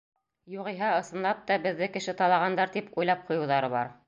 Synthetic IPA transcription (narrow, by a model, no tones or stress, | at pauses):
juʁɤ̆jɦɑɤ̆sɤ̆nlˠɑp̚t̪ɑbɘ̆ðːɘkɘ̆ʃɘt̪ɑlˠɑʁɑnd̪ɑɾt̪ipujlˠɑp̚qŏjɤ̆wðɑɾɤβɑ̰ɾ